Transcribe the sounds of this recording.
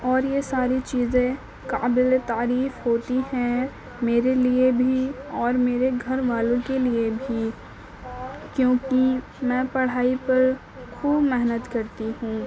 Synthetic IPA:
ɔːɾjesaːɾit͡ʃiːzẽ | kaːbɪlet̪aːɾiːfɦoːt̪ihɛ̃ | meːɾeliebʱiɔːɾmeːɾeɡʱɐɾʋaːlõkeliebʱi | kjõːki | mɛ̃ːpɐɽ̤aːipɐɾ | kʰuːbmɛɦnət̪kɐɾt̪iɦũː

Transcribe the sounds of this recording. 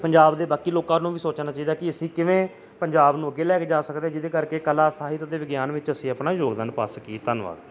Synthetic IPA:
pəɲd͡ʒaːbd̪eːbaːkiːloːkãːnũːʋiːsoːt͡ʃnaːt͡ʃaːiːd̪aːkɪəsĩːkɪʋẽː | pəɲd͡ʒaːbnũːəɡːeːlɛːkeːd͡ʒaːsək̚d̪eːɛ̃ːd͡ʒɪd̪eːkəɾkeːkəlaːsaːɦɪt̪od̪eːʋɪɡjaːnʋɪt͡ʃəsĩːəpnaːjoːɡd̪aːnpaːsəkiːt̪ənʋa̰ːd̪

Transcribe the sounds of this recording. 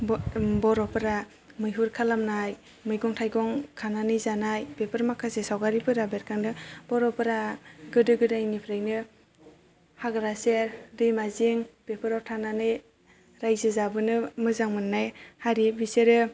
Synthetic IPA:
bɔɾɔpɯɾa | mɯjɦuɾkʰalamnaj | mɯjɡɔŋtʰajɡɔŋkʰananɯjzanajbepʰɯɾmakʰasesawɡaɾipʰɯɾabeɾkʰaŋnɯb̥ɔɾɔpɯɾaɡɯdɯɡɯdajnipʰɾajnɯ | haɡɯɾasedɯjmaziŋb̥epʰɯɾɔtʰananɯj | ɾajzɯzabɯnɯmɯzaŋmɯnnajhaɾibiseɾɯ

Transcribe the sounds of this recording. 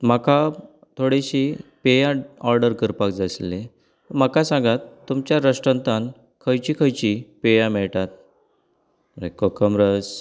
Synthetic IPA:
maka | t̪ʰoɽeɕipejaɔɾɖəɾkəɾpak̚d͡zasle | makasãŋɡat̪ːumt͡ɕjaɾəʂʈɾə̃nt̪an | kʰəjt͡ɕiːkʰəjt͡ɕipejameɭʈ̪at̪̚ | ekokəmɾəs

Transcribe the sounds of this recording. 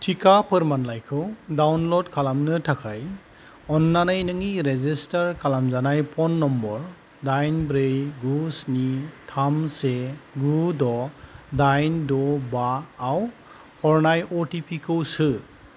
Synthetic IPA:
tʰikapʰɯɾmanlajkʰɯwdawnlodkʰalamnɯtʰakʰaj | ɔnːanɯjnɯŋiɾezistaɾkʰalamzanajpʰɔnːɔmbɔɾ | dajnbɾejɡusnitʰamseɡudɔdajndɔbaːw | hɔɾnajɔtipʰikʰɯwsɯ

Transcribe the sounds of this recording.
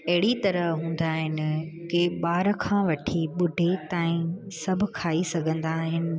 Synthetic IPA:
ɐɦɪɽit̪ɐɾəɦɦũːn̆d̪aːɦɪnɪ̆keɓaːɾkʰãːʋɐʈʰiɓʊɖʱet̪aːĩ | sɐbʱʊkʰaːisɐɡʱə̃nd̪aːɦɪnɪ̆

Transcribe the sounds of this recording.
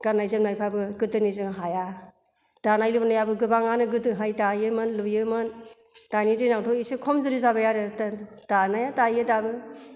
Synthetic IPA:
ɡ̥aɾnajzɯmnajpʰabɯɡɯtɯnizɯŋɦaja | d̥anajlɯbnajabɯɡɯbaŋanɯɡɯtɯɦajtajɯmɯnlujɯmɯn | tanitɯjnawtʰɔisɯkʰɔmzɯɾizabajaɾɯ | danajatajɯdabɯ

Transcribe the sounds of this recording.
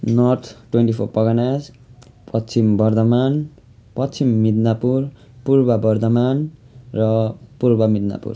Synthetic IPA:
nʌrʈʰʈwenʈipʰorpʌɡanad͡z | pʌtːt͡sʰimbʌrd̪ʌman | pʌtːt͡sʰimːid̪napur | purbʌbʌrd̪ʌmanrʌpurbʌmid̪na̰pṵr

